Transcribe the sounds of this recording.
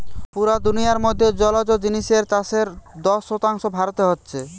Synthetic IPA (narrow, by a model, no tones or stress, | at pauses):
puɾad̪unijaɾmod̪ʱːed͡ʑɔlad͡ʑod͡ʑiniʃeɾt͡ɕaseɾd̪ɔʃːot̪aŋʃobʱaɾot̪eɦotːɕʰe